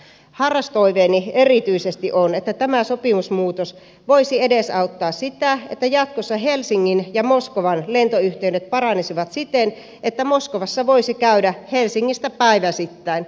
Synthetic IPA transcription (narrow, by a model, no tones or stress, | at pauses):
hɑrːɑst̪oiʋeːnierit̪yisest̪iʔonet̪ːæt̪æmæsopimusmuːt̪os | ʋoisiedesɑut̪ːɑːssit̪æet̪ːæjɑt̪̚kosːɑɦelsiŋːinjɑmoskoʋɑnlent̪oyht̪eydet̪̚pɑrɑnisiʋɑt̪sit̪en | ʔet̪ːæmoskoʋɑsːɑʋoisikæydæhelsiŋːist̪æpæiʋæsit̪ːæin